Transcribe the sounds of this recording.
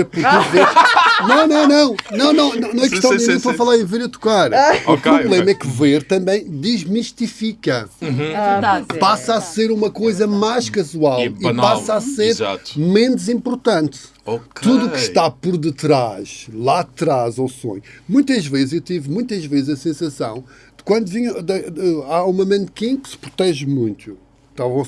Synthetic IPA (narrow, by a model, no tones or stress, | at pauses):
puɾeveɾnɐ̃w̃nɐ̃w̃nɐ̃w̃nɐ̃w̃nɐ̃w̃nɐ̃w̃nɐ̃ɛkkʃt̪ɐ̃w̃d̪ĩmĩpɐfɐlˠaɾẽveɾit̪u̥kaɾupɾuβlˠemɐɛkveɾt̪ɐ̃mbɐ̃j̃d̪iʒmiʃt̪ifikɐ | apasaseɾumɐkojzɐmajʃkɐzualˠinpasaseɾza̰t̪mẽnuzĩmpuɾt̪ɐ̃nt̪ | okt̪uðukʃt̪apɔɾðɨt̪ɾaʃlˠat̪ɾazosõ̰ɲmũj̃t̪ɐʒvezzewt̪ivmũj̃t̪ɐʒvezzɐsẽsɐsɐ̰̃w̃ | d̪̥ɨ̥kwɐ̃nd̪uviɲɐd̪ɐaũmɐmɐ̃nd̪kĩkɨ̥sɨ̥pɾut̪ɛʒmũj̃t̪u | t̪ao